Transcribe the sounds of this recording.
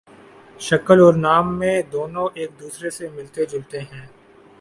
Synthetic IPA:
ʃɐkəlɔːɾnaːmːẽd̪oːnõʔeːk̚d̪uːsɾesemɪlt̪ed͡ʒʊlt̪eɦɛ̃ː

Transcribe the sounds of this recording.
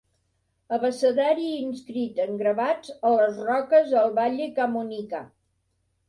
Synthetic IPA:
əβəsəðaɾiːnskɾit̪əŋɡɾəβad͡zələzrɔkəzəlˠβaʎekamunika̰

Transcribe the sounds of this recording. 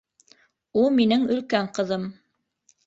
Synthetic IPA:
ulˠminɘŋɵ̆lkæɴqɤ̆ðɤm

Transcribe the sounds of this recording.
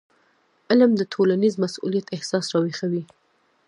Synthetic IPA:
ɪlmd̪ət̪ʰolanizmasṵlijat̪ɪhsɑsɾɑwexawi

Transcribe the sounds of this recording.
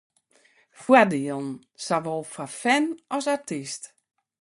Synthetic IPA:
fwadiəlˠn̩ | saʋɔlˠfafɛnɔsatist

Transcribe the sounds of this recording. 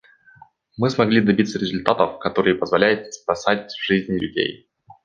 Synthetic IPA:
mɨsmɐɡlʲid̪ɐbʲit̪səɾʲɪzʊlʲt̪at̪əfkɐt̪o̞ɾɨjəpəzvɐlʲæjʊt̪̚spɐsatʲvʐ̥ɨzʲnʲɪlʲʉdʲḛj

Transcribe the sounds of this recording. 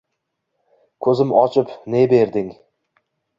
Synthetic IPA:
kʰɵzɪmɒt͡ʃʰɪpnebe̞ɾd̪ɪŋ

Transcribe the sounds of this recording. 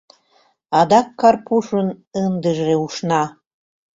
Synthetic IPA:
ɑd̪ɑkːɑrpuʃənənd̪əʒeuʃnɑ

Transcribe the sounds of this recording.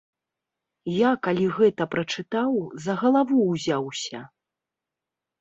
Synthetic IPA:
jakalʲiɣɛt̪ɐpɾɐt͡ʂɨt̪awzɐɣɐlˠavuwzʲawsʲɐ

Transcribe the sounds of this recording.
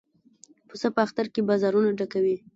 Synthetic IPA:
pusapəaxt̪aɾkebɑzɑɾunaɖakawi

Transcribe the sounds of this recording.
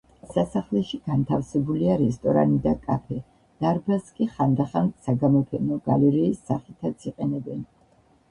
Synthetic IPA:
sasaχlɛʃiɡ̥ant̪ʰafsɛbuliaɾɛst̪ʼɔɾa̰nid̪akʼapʰɛ | d̪̥aɾbaskʼiχand̪aχansaɡamɔpʰɛnɔɡalɛɾɛːsːaχit̪ʰat̪sʰiqʼɛnɛbɛn

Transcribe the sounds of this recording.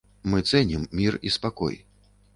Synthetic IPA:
mɨt̪sɛnʲimːʲirispakɔ̰j

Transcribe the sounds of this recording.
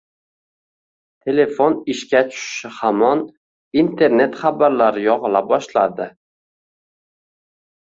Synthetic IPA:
t̪ʰe̞le̞fonɪʃkʲat͡ʃʰʊ̥ʃɪ̥ʃɪhamɒn | int̪ʰe̞ɾne̞t̪χabaɾlaɾɪjɒʁɨlabɒʃla̰d̪ɪ

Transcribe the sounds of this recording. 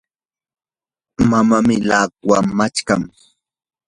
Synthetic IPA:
mamamɪlaːkwamat͡ʃkam

